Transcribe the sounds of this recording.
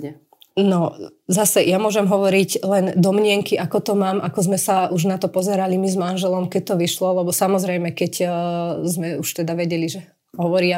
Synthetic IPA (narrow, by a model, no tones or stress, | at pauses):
nɔzasɛjamʊɔʒɛmɦɔʋɔɾiɟlɛnd̪ɔmɲɪɛŋkiʔakɔt̪ɔmaːmʔakɔzmɛsauʒnat̪ɔpɔzɛɾalimizmanʒɛlɔmkɛc̚t̪ɔʋiʃlɔlɛbɔsamɔzɾɛjmɛkɛc | zmɛuʃt̪ɛd̪aʋɛɟɛliʒɛ | ɦɔʋɔɾia